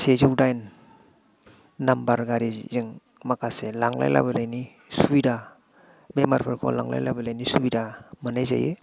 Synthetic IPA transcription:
seziwdajn | ambaɾɡaɾiziŋ | makʰaselaŋla̰jla̰balajni | suida | bemaɾpʰaɾkʰo̰laŋla̰jlabalajnisubidamanajza̰je

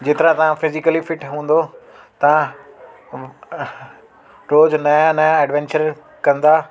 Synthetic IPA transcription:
d͡ʑeːt̪ɪɾãt̪ɐʋãfɪzɪkəlifɪʈɦũːn̆d̪o | t̪ɐ̤ã | ɾoːznɐjãnɐjãɛɖʋɛ̃ːnt͡ɕəɾ | kɐ̃nd̪aː

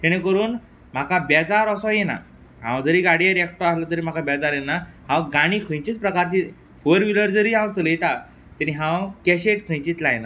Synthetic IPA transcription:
t̪ɛɽ̃ekəɾuːn | m̤akabɛd͡zaɾɔsɔjena̰ | ɦã̰wd͡zəɾiːɡaɽijəɾɛkʈoaslət̪əɾiːm̤akabɛd͡zaɾjenːahãwɡaɽ̃iːkʰə̃jt͡ɕiːt͡spɾəkaɾt͡ɕi | fəɾʋiləɾd͡zəɾiːɦãwt͡sələjt̪a | t̪ɛniɦãwkɛɕeʈkʰə̃j̃t͡ɕiːt̪lajena

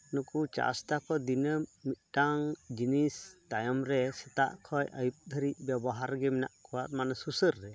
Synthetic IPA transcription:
nukut͡ʃa̰st̪akɔd̪inəmit̪̚ˀʈaŋd͡ʒinist̪ajɔmɾɛsɛt̪a̰ʔkʰɔjʔəjup̚d̪ʱəɾic̚ˀbɛbɔɦaɾɡɛmɛna̰ʔkʰɔwat̪manɛsusəɾːɛ

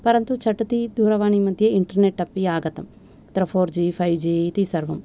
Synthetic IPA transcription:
pɐɾɐnt̪ut͡ʃʰɐʈːut̪id̪uːɾɐʋaːɳimɐd̪ʱjɐiɳʈɐɾneʈːɐpːiaːɡɐt̪ɐm | t̪ɾɐpʰoːɾd͡ʒiːpʰɐjʋd͡ʒiːt̪isɐɾʋɐm

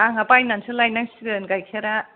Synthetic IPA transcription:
aŋapajnansɯlajnaŋsɡɯnɡajkʰeɾa

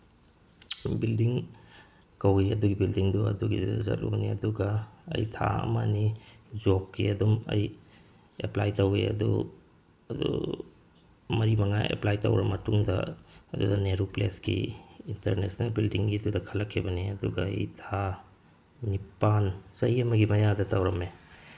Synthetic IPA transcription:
bildiŋ | kɐwiɐduɡibildiŋduɐ̰duɡidudɐzɐ̰t̚lʔṵkniɐ̰duɡɐɐ̰jtʰa̰ɐ̰mɐnizop̚kiɐdumɐ̰j | eplajtɐwḭɐ̰dṵ | ɐdṵ | mɐɾimɐŋaʔḛplajtɐ̰wɾɐmɐtuŋdɐ̰ɐdudɐneɾupleskḭintɐɾnesnɐlbildiŋɡiɐdudɐkʰɐlːɐkʰːibɐniɐduɡɐɐ̰jtʰa | nipansɐjɐmɐɡimɐjadɐtawɾɐme

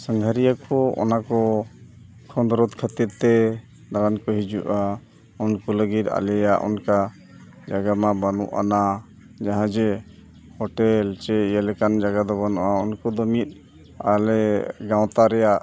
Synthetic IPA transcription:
səŋɡʱəɾijakɔɔ̰nakɔ | kʰɔ̃nd̪ɾɔt̪kʰət̪iɾt̪ɛ | d̪aɾankɔɦid͡ʒuʔa | ɔnkɔləɡit̪a̰lɛjaʔɔ̰nka | d͡ʒaɡamabanṵʔa̰na | d͡ʒaɦãd͡ʒɛ | hɔʈɛlt͡ʃɛjəlɛkand͡ʒaɡad̪ɔbanuʔaɔnkɔd̪ɔmit̪̚ˀ | a̰lɛɡãw̃t̪aɾɛjaʔ

